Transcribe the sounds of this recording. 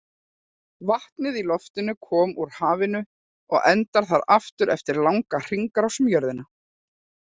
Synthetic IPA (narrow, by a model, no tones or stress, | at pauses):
vaht̪nɪðilɔft̪ɪnʏkʰɔːmuɾ̥haːvɪnʏ | ɔɣɛnt̪aɾ̥θaɾaft̪ʏɾɛft̪ɪɾlawŋkar̥iŋkaɾawsmjœɾðɪna